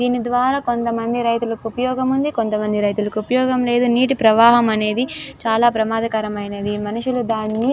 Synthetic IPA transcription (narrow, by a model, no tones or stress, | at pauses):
d̪iːnid̪ʋaːɾaːko̞nt̪ɐmɐnd̪iɾɐjt̪ulɐkuupɐjɔːɡɐmund̪iko̞nt̪ɐmɐnd̪iɾɐjt̪̬ulɐkuupɐjɔːɡɐmle̞ːd̪uniːʈipɾɐʋaːɦɐmɐne̞ːd̪it͡ʃaːlaːpɾɐmaːd̪ʱɐkɐɾɐmɐjnɐd̪imɐnuʂulud̪aːnːi